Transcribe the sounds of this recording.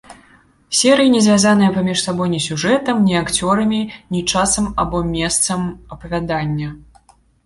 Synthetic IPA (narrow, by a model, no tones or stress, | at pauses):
sʲɛɾɨjinʲɛzʲvʲazanɨjɛpamʲiʂsabɔjnʲisʲuʐɛt̪ɐmnʲiakt͡sʲɔɾɐmʲinʲit͡ʂasɐmabɔmʲɛst̪sɐmɐpɐvʲad̪anʲːɐ